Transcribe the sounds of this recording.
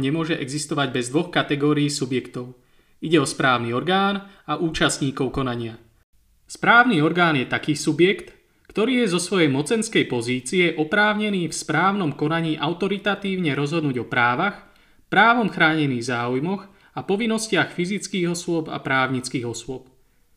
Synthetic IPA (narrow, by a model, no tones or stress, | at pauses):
ɲɛmʊɔʒɛʔɛɡzist̪ɔʋaɟbɛzd̪ʋɔxkat̪ɛɡɔːɾiiːsubjɛkt̪ɔʊ | iɟɛɔspɾaːʊniɔɾɡaːnaʔuːt͡ʃasɲiːkɔʊkɔnaɲɪa | spɾaːʊniɔɾɡaːnjɛt̪akiːsubjɛkt̪ | kt̪ɔɾiːjɛzɔsʋɔjɛjmɔt͡sɛnskɛjpɔziːt͡siɛʔɔpɾaːʊɲɛniːfspɾaːʊnɔmkɔnaɲiːʔaʊt̪ɔɾit̪at̪iːʊɲɛɾɔzɦɔd̪nuːɟɔpɾaːʋax | pɾaːʋɔmxɾaːɲɛniːɣzaːujmɔɣ | apɔʋinːɔscɪaxfizit͡skiːɣɔsʊɔpa̰pɾaːʊɲit͡skiːɣɔsʊɔp̚